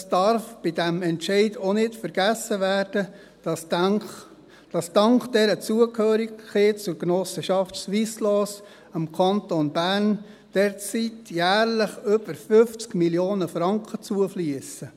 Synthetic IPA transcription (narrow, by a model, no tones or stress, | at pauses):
sd̥ɑɾfb̥ɪdæmɛntʃɛɪdonɪtfəɾɡ̥æsːəʋæɾd̥ə̥ | d̥ɑsd̥ɑŋkχd̥ɛɾət͡suəkhøːɾiɡχeːt͡sʊɾknɔsəʃɑftsʋislɔːs | əmkʰɑntonbæɾn | d̥ɛɾt͡sitjæːɾləχʏb̥əɾfʏft͡skmiljoːnəfɾɑŋkʰət͡suəfliəsə